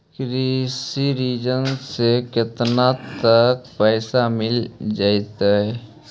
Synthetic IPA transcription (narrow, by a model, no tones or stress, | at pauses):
kɾisiɾiːd͡ʒənsekɪt̪nat̪ːək̚pɛːsamɪld͡ʒaːit̪aɦɛ